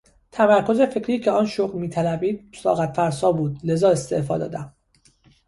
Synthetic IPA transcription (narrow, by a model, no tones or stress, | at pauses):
t̪ʰæmæɾko̞ze̞fe̞cʰɾiːcʰeɒːnʃoɣlmiːt̪ʰælæbiːd̪̥̚sɒ̰ːɣæt̪fæɾsɒːbuːd̪lezɒːe̞st̪e̞̰ʔfɒːd̪ɒ̰ːd̪æm